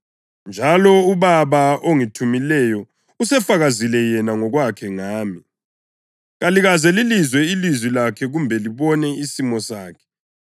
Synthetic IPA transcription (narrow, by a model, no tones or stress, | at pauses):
nd͡ʒʱalɔuβaβaʔoŋitʰumilɛjɔ | usɛfaɣazilɛjɛnaŋɔɣwakʰɛŋaːmi | ɣaliɣazɛlilizwɛilizwilakʰɛɣumbʱɛliβɔnɛisimɔsaːkʰɛ̥